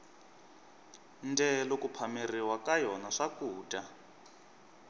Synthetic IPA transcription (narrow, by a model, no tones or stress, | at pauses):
ndɛlokupʰamiriwakajɔnaʂakuːtʼa